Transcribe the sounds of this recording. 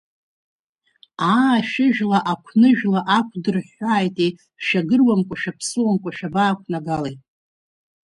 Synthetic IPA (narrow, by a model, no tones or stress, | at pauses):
aːʃɪʒᶣlaʔakʷʰnɨʒᶣlaʔakʷʰdɨrħaːjtʼe | ʃaɡɨrwamkʷʼaʃᶣapʰsɨwamkʷʼaʃᶣabaːkʷʰnaɡalejtʼ